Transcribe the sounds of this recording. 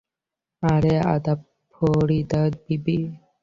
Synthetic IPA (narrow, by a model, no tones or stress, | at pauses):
aɾeɐ̰d̪ɐ | pʰːoːɽiːd̪ɐd̪̚bibi